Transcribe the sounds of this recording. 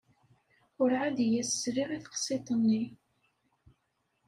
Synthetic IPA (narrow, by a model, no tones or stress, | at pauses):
ʊɾʕad̪jæsːɾiʁiθqsˤit̪ˤənːi